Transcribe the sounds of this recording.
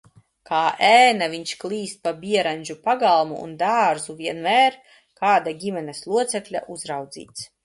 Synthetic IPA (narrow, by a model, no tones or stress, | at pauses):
kaːʔæːnaviɲt͡ʃklˠiːst̪̚pabʲiɛɾanʲd͡ʒupaɡalˠmuṵnd̪aːɾzuviɛnmæːɾ | kaːd̪aɡʲimʲɛnɛslˠuɔt̪sɛklʲa̰ʔuzɾawd̪zḭːt̪s